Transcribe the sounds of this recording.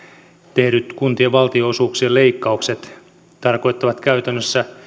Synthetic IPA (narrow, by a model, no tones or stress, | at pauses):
t̪e̞hɾyt̪kunt̪ieʋɑlt̪ioosuːksiele̞ikːɑukset̪ | t̪ɑrko̞jt̪ːɑʋɑt̪kæyt̪ænːøsːæ